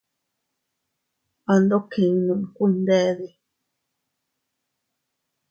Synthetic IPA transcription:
a˧nd̪o˦kĩ˨ŋ˧nũ˧ʔku˦˧nd̪e˦˧ði˧

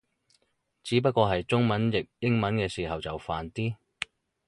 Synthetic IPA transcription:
t͡siː˨˥p̬ɐ˥t̚kʷɔː˧ɦɐ˨jt͡sʊ˥ŋmɐ˨˥njɪ˨k̚jɪ˥ŋmɐ˨˥nkɛː˧siː˨ɦɐ˨wt͡sɐ˨˩wfaː˨nt̪iː˥

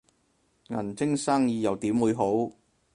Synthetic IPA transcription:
ŋɐ˨˩nt͡sɪ˥ŋsaː˥ŋjiː˧jɐ˨˧wt̪iː˨˥mwuː˨˧jɦo˨˥w

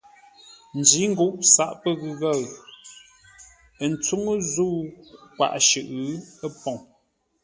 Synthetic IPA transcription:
n̩˨d͡ʒi˨˦ŋ̩˦ɡu˦ʔsa˦ʔpə˦ɣɨ˨ɣa˦˨ɰ | ə˨n̩˨t͡su˦ŋə˦zu˦kwa̰˨ʔʃʉ˨ʔə˦pɔ˨ŋ

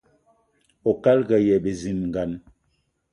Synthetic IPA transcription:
o˨ka˦lɡa˨jɛ˨be˨zi˨mŋ˨ɡa˨n

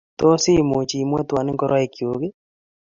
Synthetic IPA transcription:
to˦si˦mu˨t͡ʃi˨mwɛ˦twa˨ne˦ŋkɔ˦ɾwa˦e˨kjoɣe˦

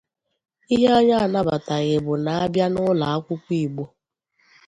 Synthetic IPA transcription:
i˦ɦe˦a˦ɲa˦a˨na˦ba˨ta˨ɣe˨bʊ˨na˨a˦bja˦nʊ˦la˨a˦kʷʊ˦kʷi˦˨ɡ͡bo˦

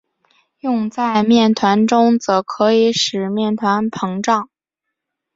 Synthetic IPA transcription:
jʊ˥˧ŋt͡sa˥˧ɪmjɛ˥˩nt̪ʰwa˧˥nʈ͡ʂʊ˥ŋt͡sɤ˧˥kʰɤ˧˥i˧˥ʂɻ̩˨˩mjɛ˥˩nt̪ʰwa˧˥npʰɤ˧˥ŋʈ͡ʂɑ˥˩ŋ

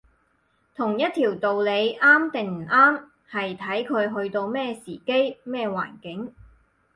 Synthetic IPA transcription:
t̪ʰʊ˨˩ŋjɐ˥t̪ʰiː˨˩wt̪o˨wle˨˧jʔaː˥mt̪ɪ˨ŋm̩˨˩ʔaː˥m | hɐ˨jt̪ʰɐ˨˥jkʰɵ˨˧ɥɦɵ˧ɥt̪o˧wmɛː˥siː˨˩ke˥jmɛː˥˧wa̰ː˨˩nkɪ˨˥ŋ

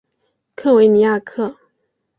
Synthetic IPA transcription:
kʰɤ˥˩we˧˥ɪni˧˥ja˥˧kʰɤ˥˩

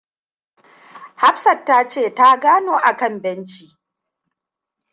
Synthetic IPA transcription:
ha˦ɸsɐ˨tːaː˦t͡ʃeː˦˨ta˦ɡaː˦noː˨ʔa˨kɐ˦mbɛ˦nt͡ʃiː˨

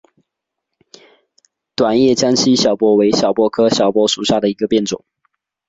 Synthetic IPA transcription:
t̪wa˨˩njɛ˥˩t͡ɕjɑ˥ŋɕi˥ɕjɑ˨˩ʊpwɔ˥we˧˥ɪɕjɑ˨˩ʊpwɔ˥kʰɤ˥ɕjɑ˨˩ʊpwɔ˥ʂu˨˩ɕja˥˩d̪ə˩i˧˥ɡə˧pjɛ˥˩nt͡sʊ̰˨˩˦ŋ

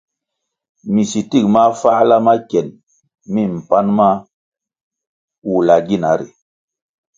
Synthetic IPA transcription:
mi˨si˨ti˦kma˦fa˦la˦ma˦kɛ˨n | mi˦˨m̩˨pa˦nma˦ | wu˨la˨ɡi˦˨na˨˦ɾḭ˨

